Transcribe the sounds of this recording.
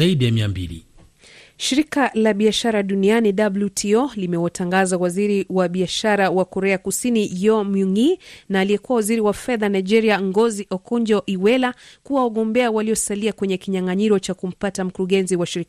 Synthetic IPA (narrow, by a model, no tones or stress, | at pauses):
aiɗijamiambilḭ | ʃiɾikalaɓiaʃaɾaɗunianiɗabljutʰiɔlimɛwataŋɡazawaziɾiwaɓiaʃaɾawakɔɾɛakusinijɔmuŋinaːliɛkuwawaziɾiwafɛðanaid͡ʒɛɾiaŋɡɔziʔɔkɔɲd͡ʒɔʔiwɛlakuwawaɠɔmbɛawaliɔsaliakwɛɲɛkiɲaŋaɲiɾɔt͡ʃakum̩patam̩kuɾuɠɛnziwaʃiɾik